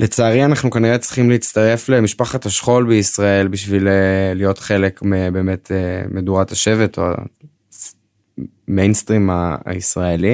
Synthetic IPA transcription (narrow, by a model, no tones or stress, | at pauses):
let͡saːʁianaχnukaniʁet͡sʁi̥χimleit͡st̪aʁe̞fle̞miʃpaχathaʃχo̞lbeisʁae̞lbiʃvileːijo̞tχe̞lekmebe̞ːme̞tʰemeduʁataʃe̞veto̰a̰ | mejnstʁima̰a̰isʁaeli